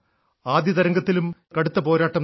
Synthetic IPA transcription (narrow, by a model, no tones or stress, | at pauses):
aːd̪jɐðɐɾɐŋɡɐt̪ːilumkɐɽut̪ːɐpo̞ːɾaːʈːɐm